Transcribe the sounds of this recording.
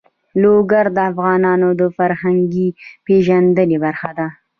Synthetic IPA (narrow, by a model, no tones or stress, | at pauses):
loɡaɾd̪əafɣɑnɑnod̪əfaɾhaŋɡipeʒand̪əlebaɾxad̪a